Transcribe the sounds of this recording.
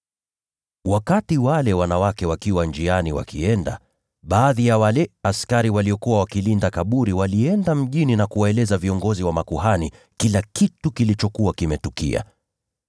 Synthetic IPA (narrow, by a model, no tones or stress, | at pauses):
wakatiwalɛwanawakɛwakiwand͡ʒianiwa̰kʰiɛnda̰ | ɓaːðijawalɛaskaɾiwaliɔkuwawakilindakaɓuɾiwaliɛndam̩ʄininakuwaɛlɛzaviɔŋɡɔziwamakuɦani | kilakitukilit͡ʃɔkuwakimɛtukḭa̰